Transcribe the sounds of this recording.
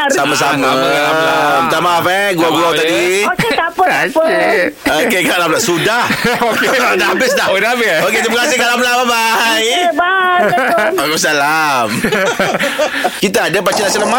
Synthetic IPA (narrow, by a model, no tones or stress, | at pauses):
samasamaa | t̪amaafɛɡuaɡulawt̪adiap | okekaʔlamlaʔsudahkdabɪsdaʔwənabioket̪ɾimakasɪhkaʔlamlamabaj | okos̬alam | kit̪aadapat͡ʃənasonama